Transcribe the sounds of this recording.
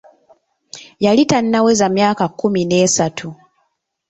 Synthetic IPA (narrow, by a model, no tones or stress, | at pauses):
jalitanːawe̞zamjaːkakːumine̞ːsatʰu